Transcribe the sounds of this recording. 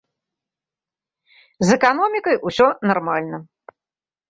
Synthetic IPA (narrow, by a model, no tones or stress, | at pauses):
zɛkanɔmʲikɐjʔusʲɔnarmalʲnɐ